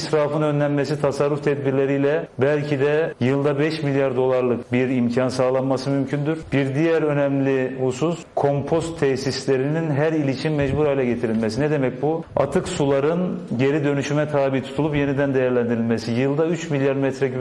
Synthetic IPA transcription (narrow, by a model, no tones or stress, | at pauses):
sɾaːfɯnø̞nlʲænmesit̪ʰasarːuft̪ʰɛd̪biɾlʲe̞ɾijlʲɛbælʲcʰid̪ɛjɯlˠd̪abɛʃmilʲjaɾd̪o̞lˠaɾlˠɯkbiɾimcʰansaːlˠanmasɯmymcʰynd̪yɾ̥b̥iɾd̪ijɛɾønɛmlʲihususkʰo̞mpʰo̞st̪ʰːɛçsislʲeɾininɦæɾilʲit͡ʃimːɛd͡ʒbuɾajlʲɛɟe̞t̪ʰiɾilʲmesinɛd̪e̞mɛc̚bua̰t̪ʰɯksulˠaɾɯnɟe̞ɾid̪ø̞nyʃymɛt̪ʰaːbit̪ʰu̥t̪ʰulˠupje̞nid̪ænd̪ejæɾlʲænd̪iɾilʲmesijɯlˠd̪ayt͡ʃmilʲjaɾmɛt̪ɾɛy